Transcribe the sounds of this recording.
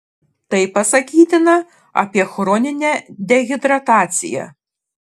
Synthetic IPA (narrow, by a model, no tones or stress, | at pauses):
t̪ɐɪpɐsɐkʲiːt̪ʲɪnɐ | ɐ̰pʲiɛxɾɔːnʲɪnʲɛd̪ʲɛɣʲɪd̪ɾɐt̪ɑːt̪sʲɪ̰jɛ̰